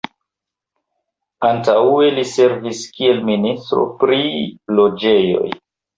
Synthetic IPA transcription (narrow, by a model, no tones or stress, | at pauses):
antauelise̞ɾviskie̞lministɾo̞̰pɾilo̞d͡ʒe̞jo̞̰j